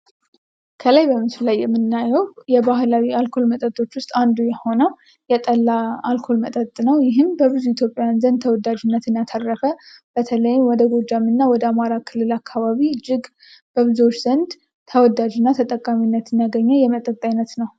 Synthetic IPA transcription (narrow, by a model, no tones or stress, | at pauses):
kʰəlajbəmɨslajːɛmːɨnːajɛwjɛbaɦlawialkʰo̞lmət̪ʼət̪ʼo̞t͡ʃːwʊst̪ʼand̪ujɛho̞nəw | jɛt̪ʼəlːaalkʰo̞lmət̪ʼət̪ʼnəwjɪɦɨmbəβɨzuit̪ʰjo̞pʼːejanzənd̪̚t̪ʰəwɔd̪ad͡ʒɪnːət̪ɨnjat̪ʰərːəfəb̥ət̪ʰələjɪmwɔd̪əɡo̞d͡ʒamɨnːawɔd̪əamaɾakʰɨlːɨlakʰːaβaβiɨd͡ʒːɪɡ | b̥əβɨzuwot͡ʃːz̥ənd̪ | t̪ʰəwɔd̪ad͡ʒɪnːat̪ʰət̪ʼəkʼːaminːət̪ʰɨnjaɡəɲːəjɛmət̪ʼət̪ʼːajnːət̪nəw